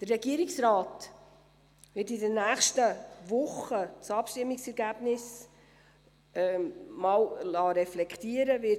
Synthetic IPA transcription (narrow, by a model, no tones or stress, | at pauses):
d̪̥ərːɛɡiəɾɪksɾɑːt | vɪtidənːæːχʃtəʋʊχət͡sɑpʃtɪmːɪksɛɾɡæːbnɪs | mɑːwlɑːɾɛflɛktiːəɾəʋɪ